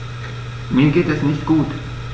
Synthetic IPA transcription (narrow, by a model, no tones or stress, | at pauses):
miːəɡeːt̪ɛsnɪçt̪ɡ̥uːt̪